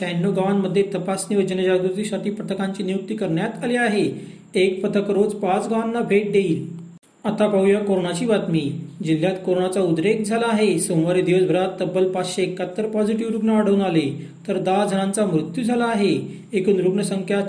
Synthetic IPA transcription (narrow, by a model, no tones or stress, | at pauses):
kɛnːoɡaʋanməd̪ʱːjet̪əpasniʋəd͡ʑəned͡ʑaɡɾut̪isaʈiːpət̪ʰəkãɲt͡ɕiːnijuk̚t̪iːkəɾɳjat̪aliaɦe | ek̚pət̪ʰəkɾod͡zpat͡sɡaʋanːabʱeʈ̚d̪eiːl | at̪apəujakoɾoɳat͡ɕiːʋat̪miːd͡ʑil̤ːjat̪koɾoɳat͡saud̪ɾek̚d͡zʱalaːɦesomʋaɾid̪iʋəsbʱəɾat̪ːəbːəlpasɕeekat̪ːəɾpɔd͡ziʈiʋɾuɡɳəaɽ̤əʋnale | t̪əɾd̪ad͡zʱəñant͡samɾut̪jud͡zʱalaːɦeː | kuːnɾuɡɳəsəŋkʰjat̪